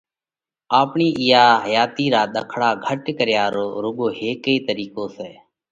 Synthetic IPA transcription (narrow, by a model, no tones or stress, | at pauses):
aːpɳiːʔɪjaːɦəjaːt̪iːɾaːɗ̪əkʰɽaːɡʱəʈkəɾjaːɾoːɾʊɠoːɦeːkəiːt̪əɾiːkõːseː